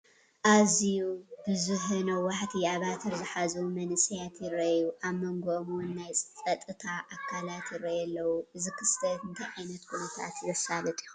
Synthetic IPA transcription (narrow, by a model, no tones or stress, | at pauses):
ʔazijub̥ɨzuħɨnɐwaħt̪ʰiaβat̪ʰɨɾzɨħazɐwumɐnɨsijat̪jɪɾɐjuʔaβmɐŋɡomuwnːajʼt͡sʼɐt̪ʼɨt̪ʰaʔakʰːalat̪jɪɾɐjɛlːɐwuɨzɨkʰɨst̪ʰɐt̪ɨnt̪ʰajʕajnɐt̪kʰunɐt̪ʰa̰t̪zɐsalɐt̪ʼiu